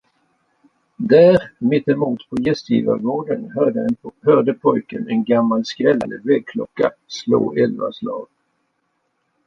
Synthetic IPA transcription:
d̪æːɾmɪt̪ːɛmuːt̪pʰɔjɛst̪jḭːva̰ɾoːd̪ənhœd̪əhœːɖ̪əpʰɔjkənɛnɡamːalskɾɛlːand̪əvɛːɡ̚kʰlɔkːaslo̰ːɛlva̰slɑːɡ

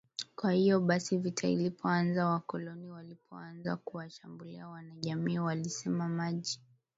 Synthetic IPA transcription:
kwahijɔɓasivitʰaḭlipɔanzawakɔlɔniwalipʰɔanza̰kuwaʃambulḭawanaʄamiːwalisɛmamaʄi

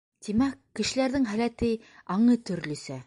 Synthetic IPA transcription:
t̪imækːɘ̆ʃɘ̆læɾðɘŋɦælæt̪ɘ | ɑɴɤt̪ɵ̆ɾlɵ̆sæ

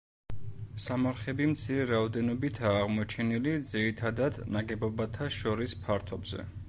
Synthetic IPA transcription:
samaɾχɛbimt̪sʰiɾɛɾaɔd̪ɛnɔbit̪ʰaːʁmɔt͡ʃʰɛnilid̪ziɾit̪ʰad̪ad̪naɡɛbɔbat̪ʰaʃɔɾispʰaɾt̪ʰɔbz̥ɛ̰

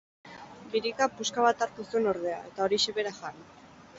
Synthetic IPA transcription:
biɾikapuskaβat̪aɾt̪usueno̞ɾðe̞a̰e̞t̪ao̞ɾiʃeβe̞ɾaʝar

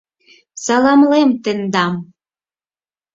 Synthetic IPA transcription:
sɑlɑmlemt̪ɘ̆nd̪ɑm

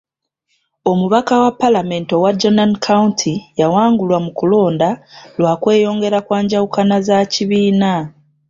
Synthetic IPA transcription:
o̞muβakawapːalame̞ːnto̞wad͡ʒo̞nankʰauntʰijawaːŋɡulwamukulo̞ːndalwakwe̞ːjo̞ːŋɡe̞ɾakwaːɲɟawukanazaciβiːna

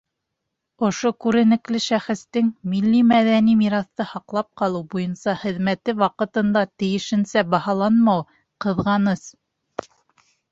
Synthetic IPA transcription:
ŏʃokʉɾɘ̆nɘ̆klɘʃæχɘ̆st̪ɘŋmilːimæðænimiɾɑθt̪ɤhɑqlˠɑp̚qɑlˠɤwbujɤnsɑχɘ̆ðmæt̪ɘwɑqɤ̆t̪ɤ̆nd̪ɑt̪ɘ̆jɘ̆ʃɘ̆nsæbɑhɑlˠɑnmɑw | qɤ̆ðʁɑnɤs

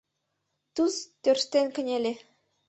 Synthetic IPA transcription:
t̪ust̪ørst̪enkə̆nʲelʲe

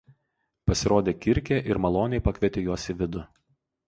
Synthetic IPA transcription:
pɐsʲɪɾoːd̪ʲeːkʲɪɾʲkʲeːʔɪɾmɐlˠoːnʲɛɪpɐkʲʋʲiɛt̪ʲeːjuɔsʲɪʋʲɪd̪ʊ

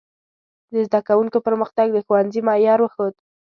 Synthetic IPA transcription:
d̪əzd̪akawuŋkopəɾməxt̪aɡd̪əxowanzimɑjɑɾwəxod̪

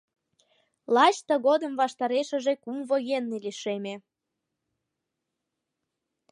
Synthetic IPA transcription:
lˠɑt͡ɕt̪əɣod̪əmβɑʃt̪ɑɾeʃə̆ʒekumvojenːeliʃeme

